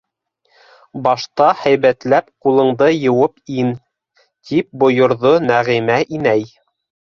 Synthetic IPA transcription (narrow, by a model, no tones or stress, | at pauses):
bɑʃt̪ɑhæjβæt̪læpqulˠɤ̆ɴd̪ɤjɤ̆wɤpin | t̪ip̚bŏjŏɾðonæʁimæʔinæj